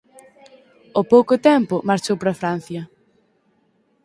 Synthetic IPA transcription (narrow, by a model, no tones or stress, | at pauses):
opowkʊt̪ɛmpʊmaɾt͡ʃowpɾɐfɾan̟θjɐ